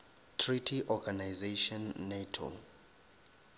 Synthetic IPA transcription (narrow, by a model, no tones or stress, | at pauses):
tʰritʰiʔɔɡanajzeʃɔnːetʰo̰